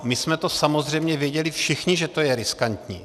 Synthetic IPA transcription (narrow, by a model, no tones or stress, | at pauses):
mɪsmɛt̪osamozr̝ɛjmɲɛvjɛɟɛlɪfʃɪxɲɪʒɛt̪o̞jɛɾɪskant̪ɲḭː